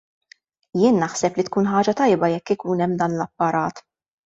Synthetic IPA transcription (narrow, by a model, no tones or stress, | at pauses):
jɪːnːɐħsɛplit̪kuːnħɐːd͡ʒɐt̪ɐjbɐjɛkːɪkuːnɛmːd̪ɐːnlɐpːɐɾɐːt̪